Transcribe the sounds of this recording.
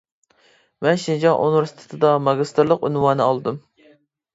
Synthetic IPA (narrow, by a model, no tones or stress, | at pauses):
mɛnʃind͡ʒɑŋʔo̰nɾst̪ʰɨ̥t̪ʰɨd̪ɑmɑɡʲist̪ɨɾlˠəqynwɑːnɨɑlˠɨd̪um